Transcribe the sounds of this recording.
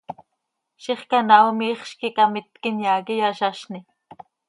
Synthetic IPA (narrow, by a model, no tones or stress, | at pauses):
ʃiχkanawmiːχʃkikamɪt̪kɪnjaːkijaʃaʃni